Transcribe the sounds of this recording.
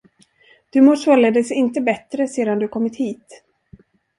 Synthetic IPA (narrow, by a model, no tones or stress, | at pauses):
d̪̥ɵmoːʂvœljad̪ɛjsɛɪnt̪əbɛt̪ɾəseːd̪and̪ɵaɾkʰɔmːɪt̪hiːt̪